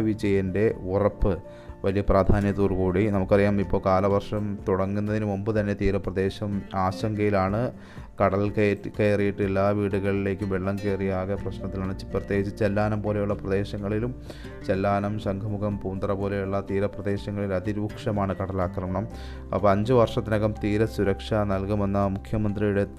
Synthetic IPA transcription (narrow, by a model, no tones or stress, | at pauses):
ʋid͡ʑɐjɐnde̞urɐpːɨ | ʋɐlijɐpraːd̪ʱaːnjɐt̪uːrkuːɽinɐmukːɐrijaːmipːo̞ːkaːlɐʋɐrʂɐmt̪uɽɐŋːunːɐðinɨombɨt̪ɐnːe̞t̪iːɾɐprɐd̪e̞ːɕɐmaːɕɐŋɡɐjilaːɳɨ | kɐɽɐlkekejrijiʈːɨelːaːʋiːɽuɣɐɭile̞ːkʲːuʋeɭːɐmkeːrijaːɣɐprɐɕnɐt̪ːilaːɳɨt͡ɕprɨt̪jeːɡit͡ɕːɨt͡ɕelːaːnɐmpo̞ːle̞juɭːɐprɐd̪e̞ːɕɐŋːɐɭilum | t͡ɕelːaːnɐmɕɐŋkʰɐmukʰɐmpuːnd̪rɐpo̞ːle̞juɭːɐt̪iːɾɐprɐd̪e̞ːɕɐŋːɐɭilɐd̪iɾuːkʂɐmaːɳɨkɐɽɐlaːkrɐmɐɳɐm | pːɐɲd͡ʑɨʋɐrʂɐt̪ːinɐkːɐmt̪iːɾɐsuɾɐkʂɐnɐlkume̞nːɐmukʰjɐmɐnd̪rijuɽe̞